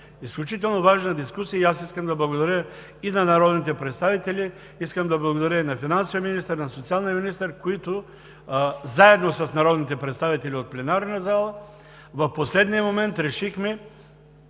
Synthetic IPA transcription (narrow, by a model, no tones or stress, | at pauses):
isklʲut͡ʃit̪̬ɛlˠnovaʒnɐd̪iskusijəiasiskəmd̪ɐblˠɐɡod̪ɐɾʲə | inɐnɐɾɔd̪nit̪ɛpɾɛt̪st̪avit̪ɛlʲi | iskəmd̪ɐblˠɐɡod̪ɐɾʲəinɐfinansovʲijəminist̪əɾnɐsot̪sialˠniəminist̪əɾkoit̪ʊ | zaɛd̪nosɐsnɐɾɔd̪nit̪ɛpɾɛt̪st̪avit̪ɛlʲiot̪̚plɛnaɾnɐzalˠə | vɐfposlɛd̪nijəmomɛnt̪ɾɛʃixmɛ